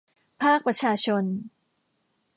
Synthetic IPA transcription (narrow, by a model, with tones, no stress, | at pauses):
pʰaː˥˩k̚pɾa˧t͡ɕʰaː˧t͡ɕʰo˧n